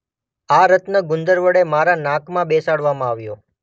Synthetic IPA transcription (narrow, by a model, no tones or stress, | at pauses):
aɾət̪nəɡʊnd̪əɾʋəɽemaɾanãkʰmãbesaɽʋamãaʋjo